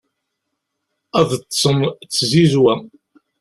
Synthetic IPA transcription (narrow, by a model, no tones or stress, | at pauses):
æðt͡sːsəmt͡sːzizwæ